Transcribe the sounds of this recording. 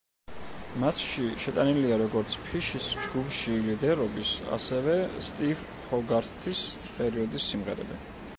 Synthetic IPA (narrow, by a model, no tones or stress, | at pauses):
mat̪ʃiʃɛt̪ʼaniliaɾɔɡɔɾt̪sʰpʰiʃisd͡ʒɡupʰʃilid̪ɛɾɔbisa̰sɛvɛst̪ʼiv | χʰɔɡaɾt̪ʰis | pʼɛɾiɔd̪isːimʁɛɾɛ̰bi